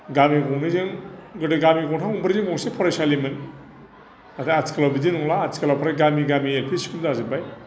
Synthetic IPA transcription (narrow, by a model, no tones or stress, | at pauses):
ɡamiɡɔŋnɯzɯŋɡɯdeɡamiɡɔŋtʰaŋuŋbɯɾzɯŋbɔŋsepʰɔɾajsalimɯn | atʰaatʰi̥kʰalawbidinuŋlaːtʰi̥kʰalawpʰaɾajɡamiɡamielpʰisi̥kuldazɯbaj